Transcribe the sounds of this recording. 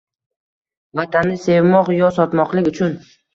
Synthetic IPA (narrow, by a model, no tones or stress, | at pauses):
vat̪ʰanːɪse̞vmɒqjɒsɒt̪mɒqlˠɪkʲʊt͡ʃʰʊn